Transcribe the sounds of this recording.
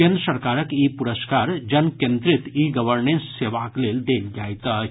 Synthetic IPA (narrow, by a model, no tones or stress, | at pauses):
ẽnd̪ɾəsɐɾkaːɾəkipuɾəskaːɾd͡ʒɐnkjẽnd̪ɾɪt̪iːɡɐʋəɾnẽnsːeːʋakleːld̪eːld͡ʒaːjt̪a